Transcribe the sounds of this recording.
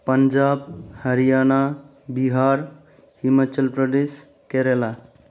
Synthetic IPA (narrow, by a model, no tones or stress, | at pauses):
pənd͡ʒabhəɾijana | biɦaɾ | humat͡ʃəlpɾəd̪es | keɾela